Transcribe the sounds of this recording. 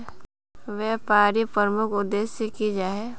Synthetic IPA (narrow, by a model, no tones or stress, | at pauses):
ʋɛːpaːɾipəɾmʊkʰʊd̪ːeːsekid͡ʒaːe